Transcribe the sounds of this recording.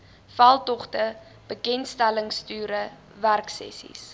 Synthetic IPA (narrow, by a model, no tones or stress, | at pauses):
falˠtɔχtə | b̥əkɛnstæləŋstyːɾə | værksɛ̰sḭs